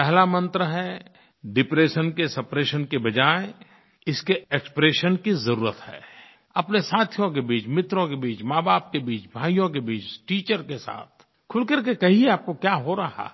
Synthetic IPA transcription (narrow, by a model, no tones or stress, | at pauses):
pɛɦlamə̃nt̪ɾəɦɛ | ɖɪpɾeːʃənkesɐpɾeːʃənkebɐd͡ʒaːe | ɪskeekspɾeːʃənkizɐɾuːɾət̪hɛ̰ː | ɐpnesaːt̪ʰjõk̬ebiːt͡ʃmɪt̪ɾõkebiːt͡ʃmaːbaːp̚kebiːt͡ʃbʱaːijõkebiːt͡ʃʈiːt͡ʃəɾkesa̰ːt̪̚ʰ | kʰʊlkɐɾkekɐɦieaːp̚kokjaɦoɾɐɦha̰